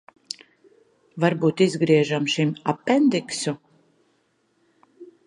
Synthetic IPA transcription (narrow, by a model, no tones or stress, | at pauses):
vaɾbuːt̪izɡɾiɛʒamʃimapːɛnd̪iksu